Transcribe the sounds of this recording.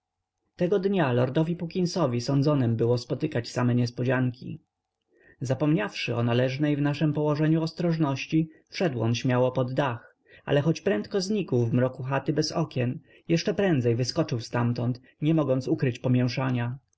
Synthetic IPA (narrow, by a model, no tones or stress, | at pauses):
t̪ɛɡɔd̪ɲalɔɾd̪ɔvʲipukʲinsɔvʲisɔnd̪zɔnɛmbɘwɔspɔt̪ɘkat͡ɕsamɛɲɛspɔd͡ʑaŋkʲḭ | zapɔmɲafʂɘɔnalɛʐnɛjvnaʂɛmpɔwɔʐɛɲuɔst̪ɾɔʐnɔɕt͡ɕifʂɛd̪wɔnɕmʲjawɔpɔd̪ːax | a̰lɛxɔt͡ɕpɾɛnt̪kɔzɲikwvmɾɔkuxat̪ɘbɛzɔkʲjɛn | jɛʂt͡ʂɛpɾɛnd̪zɛjvɘskɔt͡ʂɘwst̪amt̪ɔnt̪ | ɲɛmɔɡɔnt̪sukɾɘt͡ɕpɔmʲjɛw̃ʂaɲa